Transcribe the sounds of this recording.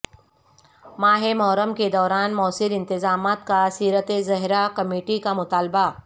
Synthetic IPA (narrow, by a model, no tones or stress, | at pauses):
maːɦemɔːɾəmked̪ɔːɾaːnmɔːsɪlɪ̃nt̪ɪzaːmaːt̪kasiːɾət̪ezɐɦɾakɐmeːʈikamʊt̪aːlba